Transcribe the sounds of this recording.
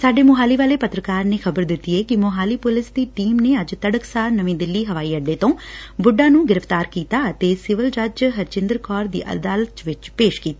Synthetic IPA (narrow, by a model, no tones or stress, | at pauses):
saːɖeːmʊɦaːliːʋaːleːpət̪ɾəkaːɾneːxʰəbəɾd̪ɪt̪ːiːɛːkɪmʊɦaːliːpʊlɪsd̪iːʈiːmneːəd͡ʒt̪əɖəksaːɾnəʋẽːd̪ɪlːiːɦəʋaːiːəɖːeːt̪õːbʊɖːãːnũːɡɪɾəft̪aːɾkiːt̪aːət̪eːsɪʋəld͡ʒaːd͡ʒɦəɾt͡ʃɪ̃nd̪əɾkɔːɾd̪ḭːʔə̰d̪aːlət̪ʋɪt͡ʃpeːʃkiːt̪aː